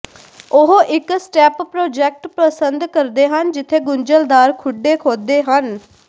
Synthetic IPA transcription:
ʊɦoʔɪksʈɛːppɾoːd͡ʒɛːk̚ʈpɾəsənd̪kəɾd̪eːɦənd͡ʒɪt̪ʰːeːɡʊɲd͡ʒəld̪aːɾkʰʊɖːeːkʰoːd̪eːɦən

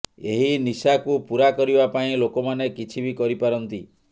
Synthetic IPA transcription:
eɦinisakupuɾakɔɾibapaĩlokɔmanekit͡ʃʰibikɔɾipaɾɔnt̪i

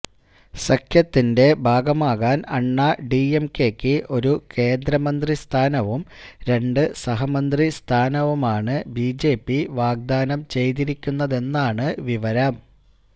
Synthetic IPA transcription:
sɐkʰjɐt̪ːinde̞bʱaːɡɐmaːɣaːnɐɳːɐɖiemke̞kʲːɨʔo̞ɾuke̞ːnd̪ɾɐmɐnd̪rist̪ʰaːnɐʋumɾe̞ɳɖɨsɐɦɐmɐnd̪rist̪ʰaːnɐʋumaːɳɨbiːd͡ʑe̞ːpːiʋaːɡ̚d̪aːnɐmt͡ɕe̞jt̪̬iɾikʲːunːɐðe̞nːaːɳɨʋiʋɐɾaːm

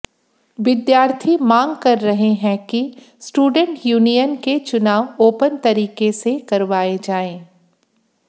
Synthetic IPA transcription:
ʋɪd̪jaːɾt̪ʰimãːŋɡkɐɾːɐɦeɦɛ̃ki | sʈuːɖə̃ɳʈjuːnijənket͡ʃʊnaːʋoːpənt̪ɐɾiːkesekɐɾʋaːed͡ʒaːẽː

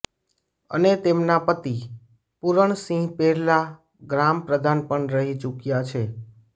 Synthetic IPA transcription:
ə̰net̪emnapət̪i | puɾəɳsĩɦpeɾla | ɡɾampɾəd̪ʱanpəɳɾəɦit͡ʃukjat͡ʃʰe

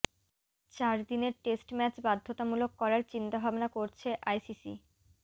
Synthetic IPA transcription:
t͡ɕaɾd̪ineɾʈesʈmɛt͡ɕbad̪ʱːot̪amulokːɔɾaɾt͡ɕint̪abʱabnakoɾt͡ɕʰeʔajsisḭ

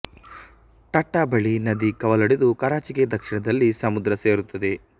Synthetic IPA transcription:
ʈɐʈːɐbɐɭinɐd̪ikɐʋɐlɐɽed̪ukɐɾaːt͡ʃiked̪ɐkʂiɳɐd̪ɐlːisɐmud̪ɾɐseːɾut̪ːɐd̪e̞

